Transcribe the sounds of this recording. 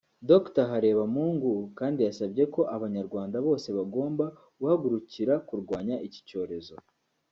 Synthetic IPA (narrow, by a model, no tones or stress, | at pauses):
do̞ktaɦaɾe̞ːβamuːŋɡukaːndijasabɟe̞ko̞ʔaβaɲaɾɡwaːndaβo̞ːse̞βaɡo̞ːmba | ɡuhaɡuɾuciɾakuɾɡwaːɲaʔici̥co̞ːɾe̞zo̞